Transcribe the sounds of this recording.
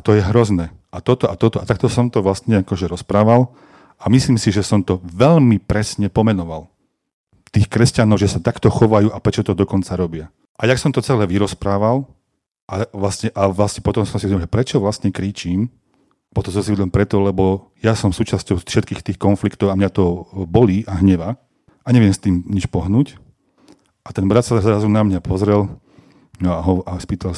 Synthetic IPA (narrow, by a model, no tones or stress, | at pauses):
at̪ɔjɛɦɾɔznɛː | at̪ɔt̪ɔʔat̪ɔt̪ɔat̪akt̪ɔsɔmt̪ɔʋlastɲɛakɔʒɛɾɔspɾaːʋal | ʔamisliːmsiʒɛsɔmt̪ɔʋɛʎmipɾɛsɲɛpɔmɛnɔʋal | t̪iːxkɾɛscanɔʊʒɛsat̪akt̪ɔxɔʋajuːʔapɾɛt͡ʃɔt̪ɔd̪ɔkɔnt͡saɾɔbɪa | ʔajaksɔmt̪ɔt͡sɛlɛːʋiɾɔspɾaːʋal | ʔaʋlasɲɛʔaʋlasɲɛpɔt̪ɔmsɔmsiɔɲɛlʒɛpɾɛt͡ʃɔʋlastɲɛkɾiːt͡ʃiːm | pɔt̪ɔsɔms̬iid̪lɛnpɾɛt̪ɔlɛbɔ | jasɔmsuːt͡ʃascɔʊʃɛt̪kiːxt̪iːxkɔnflikt̪ɔʊamɲat̪ɔbɔliʔaɦɲɛʋa | ʔaɲɛʋɪɛmst̪iːmɲit͡ʃpɔɦnuːc | ʔat̪ɛnbɾat̪sazɾazunamɲapʰɔzɾɛl | nɔaɦɔaspiːt̪al